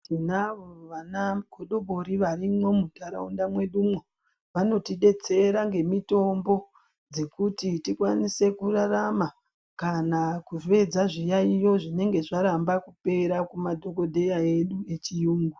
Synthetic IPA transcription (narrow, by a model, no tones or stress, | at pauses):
tinaʋoʋanakoɗoɓo̞ɾiʋaɾimo̞mutaɾa̰undamwe̞ɗumwe | ʋano̞tiɗe̞t͡se̞ɾaŋɡe̞mito̞mbo̞ | d͡ze̞kutitikwanise̞kurarama | kanakufe̞d͡zaʐijaijo̞ʐine̞ŋɡe̞ʐaɾambakupe̞ɾakumadʱo̞ko̞dʱe̞jae̞ɗue̞t͡ʃijuːŋɡu